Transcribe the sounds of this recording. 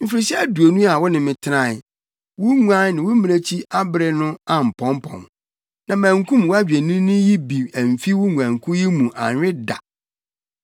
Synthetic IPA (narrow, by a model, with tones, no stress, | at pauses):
m̩˦fi˨ɾɪ˨˦ɕɛ˦æ˦du˨o˨nũ˦a˨wɔ˦nɪ̃˨mɪ̃˨tʰɪ˦nã˦˨ | wʊ˦ŋu˦ã˦nɪ̃˨wʊ˦mɪ̃˨æ˦t͡ɕʰi˦a˦bɪ˦ɾɪ˨nʊ̃˦a˨m̩˨pʰɔ̃˨˦mpʰɔ̰̃˨m | nã˨mæ̃˨ŋkʰũ˦m˨wɔ˦æ˦d͡ʑᶣæ˨nĩ˦nʊ̃˦ji˦bi˨æ˨m˨fi˦wʊ˦ŋu˨ã˨ŋ˨kʰʊ̃˦ji˦mũ˨ʔã̰˨ɲᶣ˨˦ɪ˦da̰˨